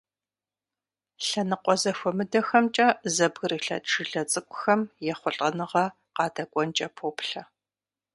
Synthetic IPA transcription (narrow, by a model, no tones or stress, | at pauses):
ɬɐnɨqʷɔzɐxʷɔmɨdɐxɐmt͡ʃʼɐzɐbɣɨriɬɐ̰tʈ͡ʂɨɮɐt͡sʼɨkʷʼʊxɐmjɛχʷʊɬʼɐnɨʁɐ | qɑːdɐkʷʼɔnt͡ʃʼɐpʰoːpɬɐ